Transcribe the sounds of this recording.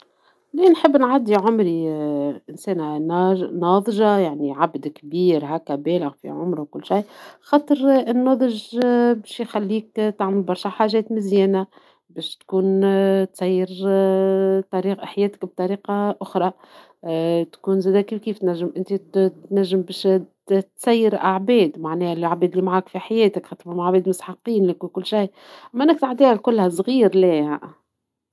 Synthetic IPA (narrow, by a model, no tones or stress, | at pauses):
liːnħəbːnʕad̪ːiʕʊmɾiʔɪnsɛːnænɑnɑːðˤʒɑjaʕniʕabd̪kbiːɾɦæːkːæbɛːlɪɣfḭʕʊmɾwkʊlːʃajxɑːt̪ˤəɾɪnːɑːðˤəʒbɛːʃjxælːiːkt̪aʕməlbɑɾˤʃaħaːʒɛːt̪mɪzjɛːnæ | bɛːʃt̪kuːnt̪sɑjːɪɾ | t̪ˤɑɾiːħjɛːt̪ɪ̥kb̚t̪ˤɑɾiːqɑʔʊxɾˤɑ | t̪kuːnzɛːd̪ækifkiːft̪næʒːɪmʔɪnt̪it̪næʒːəmbɛːʃ | t̪sæjːəɾʔaʕbɛːd̪maʕnɛːhælʔaʕbɛːd̪limaʕaːkfiħajɛːt̪ɪkxɑt̪ˤfamaʕbɛːd̪mʊsħɑqːiːnlɪkwɪkʊlːʃij | ʔæmæʔɪnːæk̚t̪aʕd̪iːhælkʊlːhæsˤɣiːɾlæːaʔ